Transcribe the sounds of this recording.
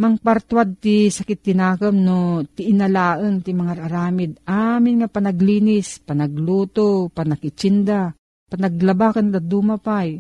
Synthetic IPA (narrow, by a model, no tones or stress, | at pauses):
mɐŋpaɾt̪wad̪̚t̪ɪsɐkɪt̪ːɪnaːkomnot̪ɪʔɪnɐlaːʔəŋt̪ɪmɐŋaɾaɾaːmɪd̪̚ʔaːmɪnŋapɐnɐɡliːnɪspɐnɐɡluːt̪opɐnɐɡɪt͡ʃɪnd̪a | pɐnɐɡlɐbakɐnd̪ad̪uːmapaj